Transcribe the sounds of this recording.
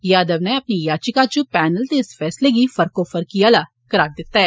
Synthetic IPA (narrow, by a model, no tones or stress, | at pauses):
jaːd̪ɐʋnɛ̃ɐpnijaːt͡ʃɪkat͡ʃupɛːnəlt̪eɪsfɛːsleɡifɐɾkofəɾkiala | kɐɾaːɾd̪ɪt̪ːaɦɛː